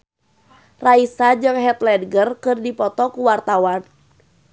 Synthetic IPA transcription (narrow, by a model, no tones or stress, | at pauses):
raisad͡ʒɨŋɦɛt̪lɛdɡərkɨrdipɔt̪ɔkuwart̪awan